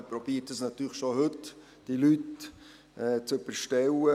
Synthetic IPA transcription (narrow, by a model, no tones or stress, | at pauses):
pɾɔb̥iːətəsnɑt̪ːyːlχʃohɵt | d̥ilyt | ɛt͡søbəɾʃtɛwə